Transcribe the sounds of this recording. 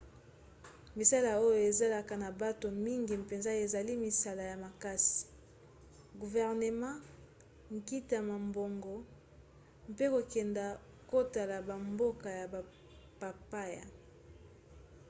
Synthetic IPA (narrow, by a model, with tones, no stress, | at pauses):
mi˨sa˦la˨o˦jo˨e˨za˦la˨ka˨na˨ba˦to˨mi˦ŋɡi˨pe˨nza˦e˨za˨li˦mi˨sa˦la˨ja˨ma˨ka˦si̥˨ | ɡu˨vɛ˨ʁne˨mã˦ | ŋ˨ki˦ta˨ma˨mbo˨ŋɡo˨ | m˦pe˦ko˨kɛ˨nda˨ | ko˦ta˨la˨ba˨mbo˦ka˨ja˨ba˨ | pa˨pa˦ja̰˨